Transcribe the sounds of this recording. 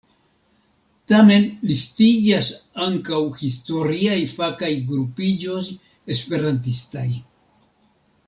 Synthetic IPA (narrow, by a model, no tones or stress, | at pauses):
tame̞nlistiɡasaŋkawhisto̞ɾiajfakajɡɾupid͡ʒo̞s | espe̞ɾant̪̬istaj